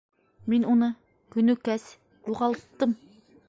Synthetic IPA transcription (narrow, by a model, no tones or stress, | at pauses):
minunɨ | kʲynykʲɛs | juʁɑlˠt̪ːɨm